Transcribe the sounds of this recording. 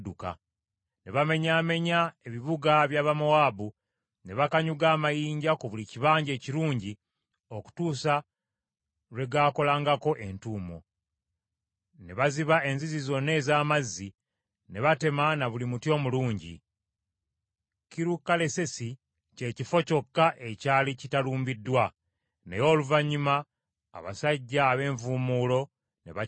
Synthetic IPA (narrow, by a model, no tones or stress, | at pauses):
duka̰ | neβame̞ɲaːme̞ɲae̞βiβuɡaβjaːβamoaːbu | ne̞βakaɲuɡaːmajiːɲɟakoβuliciβaːɲɟe̞ːciɾuːɲɟi | o̞ku̥tuːsa | ɾwe̞ɡaːko̞laːŋɡako̞ʔe̞ntuːmo̞̰ | ne̞βaziβae̞nzizizo̞ne̞ːzaːmazːi | ne̞βate̞manaβulimutjo̞ːmuluːɲɟḭ | kiɾukːale̞se̞si | ce̞ːcifo̞co̞kːaʔe̞caːlicitaluːmbidːwa | nejo̞ːluvaɲːuma̰ː | βa̰saɟːaːβe̞ːɱvuːmuːlo̞ | ne̞̰βa